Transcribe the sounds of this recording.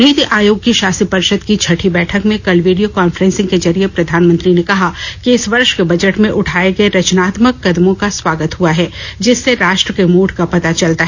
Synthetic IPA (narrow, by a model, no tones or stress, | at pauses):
niːt̪iʔaːjoːɡkiʃaːsipɐɾɪʃəd̪kit͡ʃʰɐʈʰibɛːʈʰəkmẽkɐlʋiːɖijokaːnfəɾɛ̃nsɪ̃ŋɡked͡ʒɐɾijepɾɐd̪ʱaːnmə̃nt̪ɾinekɐɦakiɪsʋɐɾʃkebɐd͡ʒəʈmẽʔʊʈʰaːeɡɐeɾɐt͡ʃnaːt̪məkːɐd̪mõkaswaːɡət̪ɦuaɦɛːd͡ʒɪsːeɾaːʃʈɾəkemoːʈkapɐt̪at͡ʃɐlt̪aɦɛ